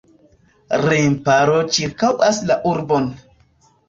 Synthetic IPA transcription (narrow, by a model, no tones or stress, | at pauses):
ɾempaɾot͡ʃiɾkawʔaslaʔuɾbon